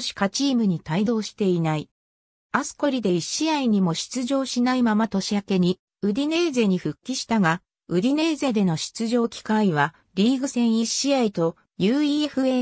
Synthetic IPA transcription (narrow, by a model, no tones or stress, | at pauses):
ɕi̥kat͡ɕiːmɯ̟ɲ̟it̪aid̪o̞ːɕi̥t̪e̞inai | asɨ̥ko̞ɾʲid̪e̞iɕiaiɲ̟imo̞ɕi̥t͡sɨʑo̞ːɕinaimamat̪o̞ɕiake̞ɲ̟i | ɯ̟ɾʲine̞ːze̞ːɲ̟iɸɯ̟kʲːiɕi̥t̪aɡa | ɯ̟ɾʲine̞ːze̞ːd̪e̞no̞ɕi̥t͡sɨʑo̞ːkʲi̥kaiβ̞a | ɾʲiːɡɯ̟sẽ̞ɰ̃iɕiait̪o̞ | jɯːiːeɸɯ̟eː